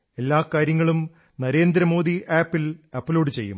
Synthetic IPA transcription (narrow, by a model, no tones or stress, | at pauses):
e̞lːaːkaːɾjɐŋːɐɭum | nɐɾe̞ːnd̪ɾɐmo̞ːd̪iʔaːpːilɐpːlo̞ːɖɨt͡ɕe̞̰jːṵm